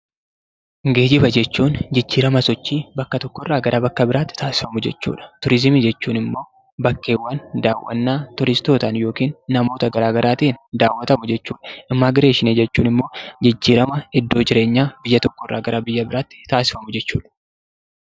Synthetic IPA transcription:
ŋɡeːd͡ʒɪbɐd͡ʒɛt͡ʃːuːnd͡ʒɪd͡ʒːiːɾɐmɐsɔt͡ʃːiːbɐkːɐt̪ɔkːɔrːaːɡɐɾʔːbɐkːɐbɪɾaːt̪ːɪ̥t̪ʰaːsɪ̥fɐmʊd͡ʒɛt͡ʃːṵːᶑɐ̥t̪ʊɾɪzɪmiːd͡ʒɛt͡ʃːuːnɪmːo̞ː | bɐkːe̞ːwːaːnd̪aːwːʔɐ̰nːaːt̪ʊɾɪst̪o̞ːt̪ɐnjo̞ːkiːnːɐmo̞ːt̪ɐɡɐɾaːɡɐɾaːt̪ʔɪnd̪aːwːɐt̪ɐmʊd͡ʒɛt͡ʃːuːᶑɐ̥ʔɪmːaːɡɪɾe̞ːʃɪneːd͡ʒɛt͡ʃːṵːnɪmːo̞ːd͡ʒɪd͡ʒːiːɾɐmɐɪd̪ːo̞ːd͡ʒɪɾe̞ːɲːaːbɪjːɐt̪ɔkːɔrːa̰ːɡɐɾɐbɪjːɐbɪɾaːt̪ːɪ̥t̪aːsɪ̥fɐmʊd͡ʒɛt͡ʃːuːᶑɐ̥

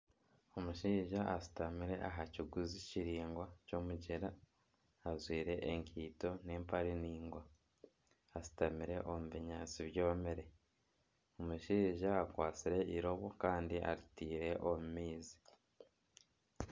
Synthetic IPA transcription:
o̞muʃiːʒaʔasi̥tamiɾe̞ʔaɦaciɡuziciɾiːŋɡwaco̞muɟeɾaː | zwiːɾe̞ʔeŋkʰiːto̞ne̞ːmpaɾiniːŋɡwaː | zi̥tamiɾe̞ʔomuβiɲaːt͡siβjoːβameɾe | omuʃiʒaːkwaːt͡siɾe̞iɾo̞βokaːndiʔa̰ɾitiːɾe̞ʔomumiːzi̥

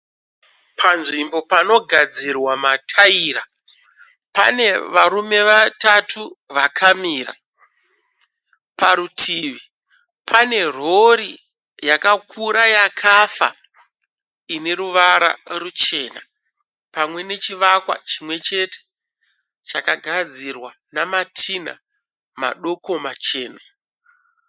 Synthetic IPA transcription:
pʰanʐimbo̞pano̞ɡʱad͡zirwamatʰaiːɾa | pa̰ne̞ʋaɾume̞ʋatatʰuʋakʰamiːra̰ | paɾutʰiʋi | pʰane̞r̤o̞ɾi | jakakʰuɾajakʰafa̰ | ine̞ɾuʋaɾa̰rut͡ʃe̞ːna̰ | pamwe̞ne̞t͡ʃiʋakwa̰t͡ʃimwe̞t͡ʃe̞tʰe̥ | t͡ʃakaɡʱad͡zirwa | namatʰina̰ | ma̰ɗo̞ko̞mat͡ʃe̞ːna

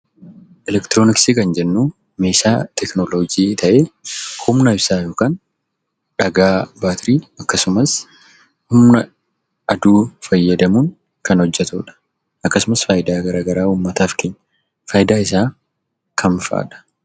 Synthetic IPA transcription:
ʔɛlɛkt̪ɪɾoːnɪksiːkɐnd͡ʒɛnːuː | me̞ːʃa̰ːt̪ɛknoloːd͡ʒiːt̪ʰɐʔeːhʊmnɐɪbsaːjo̞ːkaːn | ᶑɐɡaːbaːt̪ɾiːɐkːɐsʊmɐs | hʊmnɐ | ʔɐd̪uːfɐjːɐd̪ɐmuːn | kɐnhɔd͡ʒːɛt̪ṵːᶑɐ̥ | ɐkːɐsʊmɐsfaːjɪd̪aːɡɐɾaːɡɐɾaːuːmːɐt̪aːfkeːɲːɐ | fɐːjɪd̪aːɪsaː | kʰɐnfa̰ːᶑɐ̥

